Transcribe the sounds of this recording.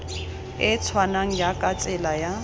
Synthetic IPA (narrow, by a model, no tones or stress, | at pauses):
ɪt͡sʰwanaŋ̩jakʼat͡sʼɪlaja